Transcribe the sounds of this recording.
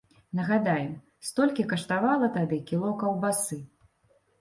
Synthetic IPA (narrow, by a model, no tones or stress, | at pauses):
nɐɣad̪ajɛm | st̪ɔlʲkʲikɐʂt̪avalˠɐt̪ad̪ɨkʲilˠɔkɐwbasɨ